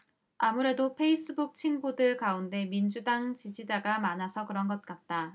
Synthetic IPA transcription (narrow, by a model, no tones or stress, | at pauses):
amuɾe̞dopʰe̞is͈ɯbuk̚t͡ɕʰinɡudɯɭkaunde̞mind͡ʑudaŋt͡ɕid͡ʑid͡ʑaɡamanasʰʌkɯɾʌnɡʌt̚k͈at̚t͈a